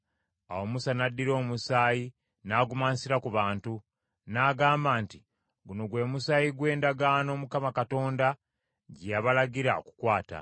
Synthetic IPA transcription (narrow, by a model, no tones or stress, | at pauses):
a̰wo̞musanadːiɾo̞ːmusaːji | naːɡumaːnsiɾakuβaːntu | naːɡaːmbaːnti | ɡuno̞ɡwe̞musaːjiɡwe̞ːndaɡaːno̞ːmukamakato̞ːnda | ɟijaβalaɡiɾao̰ku̥kwaːta̰